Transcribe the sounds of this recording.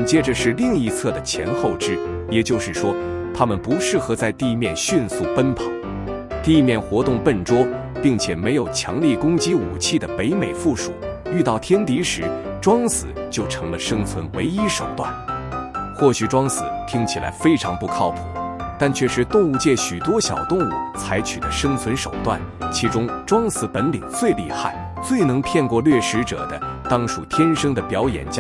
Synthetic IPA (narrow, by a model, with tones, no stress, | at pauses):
t͡ɕjɛ˥ʈ͡ʂə˨ʂɻ̩˥˧li˥˧ŋi˧˥t͡sʰɤ˥˩d̪ə˩t͡ɕʰjɛ̰˧˥nxo˥˩ʊʈ͡ʂɻ̩˥jɛ˨˩t͡ɕjo˥˧ʊʂɻ̩˥˩ʂwɔ˥t̪ʰa˥mə˨npu˧˥ʂɻ̩˥˩xɤ˧˥t͡sa˥˧ɪt̪i˥˧mjɛ˥˧nɕy˥˧nsu˥˩pə˥npʰɑ˨˧˥ŋ | t̪i˥˧mjɛ˥˩nxwɔ˧˥t̪ʊ˥˧ŋpə˥˩nʈ͡ʂwɔ˥ | pi˥˩ŋt͡ɕʰjɛ˨˩me˧˥ɪjo˨˩ʊt͡ɕʰjɑ̰˧˥ŋli˥˩kʊ˥ŋt͡ɕi˥ṵ˨˩t͡ɕʰi˥˩d̪ə˩pe˧˥ɪme˨˩ɪfu˥˩ʂṵ˨˩˦y˥˧t̪ɑ˥˩ʊt̪ʰjɛ˥nt̪i˧˥ʂɻ̩˧˥ | ʈ͡ʂwɑ˥ŋsɹ̩̰˨˩˦t͡ɕjo˥˩ʊʈ͡ʂʰɤ˧˥ŋlə˧ʂɤ˥ŋt͡sʰwə˧˥nwe˧˥ɪi˥ʂo˨˩ʊt̪wa̰˥˩n | xwɔ˥˩ɕy˨˩ʈ͡ʂwɑ˥ŋsɹ̩˨˩t̪ʰi˥ŋt͡ɕʰi˨˩lʔa̰˧˥ɪfe˥ɪʈ͡ʂʰɑ˧˥ŋpu˥˩kʰɑ˥˧ʊpʰṵ˨˩ | t̪a˥˩nt͡ɕʰɥɛ˥˩ʂɻ̩˧˥t̪ʊ˥˧ŋu˥˧t͡ɕjɛ˥˩ɕy˨˩t̪wɔ˥ɕjɑ̰˨˩ʊt̪ʊ˥˧ŋu˥˩t͡sʰa˧˥ɪt͡ɕʰy̰˨˩d̪ə˦ʂɤ˥ŋt͡sʰwə˧˥nʂo˨˩ʊt̪wa̰˥˩nt͡ɕʰi˧˥ʈ͡ʂʊ˥ŋʈ͡ʂwɑ˥ŋsɹ̩˧˥pə˧˥nlḭ˨˩ŋt͡swe˥˧ɪli˥˧xa˥˩ɪ | t͡swe˥˩ɪnɤ˧˥ŋpʰjɛ˥˧nkwɔ˥˧lɥɛ˥˩ʂɻ̩˧˥ʈ͡ʂɤ̰˨˩d̪ə˦t̪ɑ˥ŋʂu˥˩t̪ʰjɛ˥nʂɤ˥ŋd̪ə˨pjɑ˧˥ʊjɛ̰˨˩nt͡ɕja˥